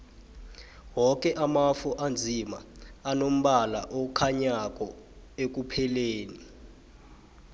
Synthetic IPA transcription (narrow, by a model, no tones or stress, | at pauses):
wɔk̬ʼɛʔamafuʔand͡zʱima̰anom̩ɓala̰ʔokʰaɲak̬ɔ | ek̬upʰɛleːni